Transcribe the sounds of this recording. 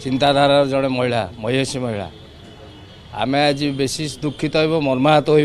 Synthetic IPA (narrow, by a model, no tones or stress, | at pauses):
t͡ʃint̪ad̪ʱaɾaɾd͡ʒɔɽ̃emɔɦiɭamɔjɔsimɔɦiɭa̰ | a̰mead͡ʒibesisd̪ukʰːit̪ɔɦijbɔmɔɾmaat̪ɔɦoj